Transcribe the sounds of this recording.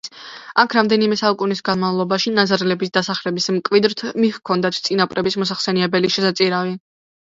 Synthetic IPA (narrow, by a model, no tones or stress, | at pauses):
akʰɾamd̪ɛnimɛsaukʼunisɡanmavlˠɔbaʃinazaɾɛlɛbisd̪̥asaχlɛbismkʼvid̪ɾt̪ʰmihkʰɔnd̪at̪ʰt̪sʼinapʼɾɛbismɔs̬aχsɛniɛbɛliʃɛsat̪sʼiɾavi